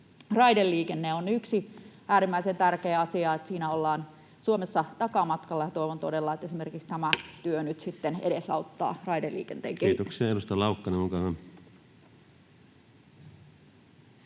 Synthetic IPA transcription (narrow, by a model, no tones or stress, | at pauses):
rɑidelːiːkenːeonyksiæːɾimːæisent̪ærkeːɑsiɑet̪siːnæolːɑːn | suomesːɑt̪ɑkɑmɑt̪kɑlːɑjɑt̪o̞iʋont̪odelːɑet̪esimerkikst̪æmæt̪yønyt̪sit̪ːeneɾesɑ̰ut̪ːɑ̰ːrɑidelːḭːkent̪eːŋkeːt̪oesiɑeɾust̪ɑlɑukːɑneoŋkɑhɑm